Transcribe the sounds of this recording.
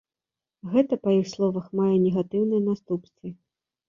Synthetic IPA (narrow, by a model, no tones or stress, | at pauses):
ɣɛt̪ɐpɐjixslˠɔvɐxmajɛnʲɛɣat̪ɨwnɨjɐnast̪upst̪vɨ